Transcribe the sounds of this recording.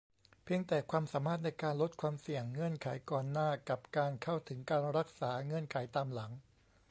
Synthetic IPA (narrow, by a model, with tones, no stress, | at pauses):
pʰi˧əŋt̪ɛː˨˩kʰwaː˧msaː˩˦maː˥˩t̪̚na˧jkaː˧nlo˦˥t̪̚kʰwaː˧msi˨˩əŋːɤ˧˥ənkʰa˩˦jkɔː˨˩nːaː˥˩ka˨˩p̚kaː˧nkʰa˥˩wt̪ʰɯ˩˦ŋkaː˧nɾa˦˥k̚saː˩˦ŋɤ˧˥ənkʰa˩˦jt̪aː˧mla˩˦ŋ